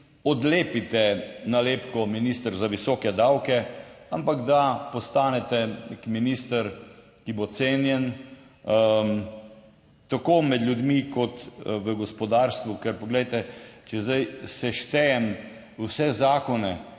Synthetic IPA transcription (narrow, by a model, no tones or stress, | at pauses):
ɔd̪leːpit̪ɛnaleːpkɔminist̪əɾzaʋisɔkɛd̪awkɛampaɡd̪apɔst̪aːnɛt̪ɛnekminist̪əɾ | kibot̪seːnjɛn | t̪akoːmɛd̪lʲjud̪mikɔt̪ʋəɡɔspɔd̪aːɾst̪ʋukɛɾpɔɡlɛjt̪ɛt͡ʃɛzd̪ajsɛʃt̪ɛjɛm | wsɛzaːkɔnɛ